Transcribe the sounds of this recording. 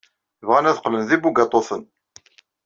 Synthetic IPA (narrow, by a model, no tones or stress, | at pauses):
vʁænæðqlənðibuɡɑt̪ˤːoθən